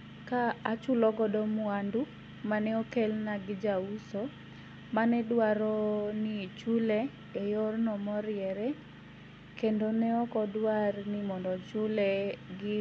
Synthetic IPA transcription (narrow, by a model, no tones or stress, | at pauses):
kaat͡ʃulɔɡɔdɔmʊandu | manɛokelnaɡɪd͡ʒauso | manɛdwaɾɔnit͡ʃulɛ | ejɔrnɔmɔɾɪɛɾɛ | kendonɛɔkɔdwarnɪmɔndɔt͡ʃulɛɡɪ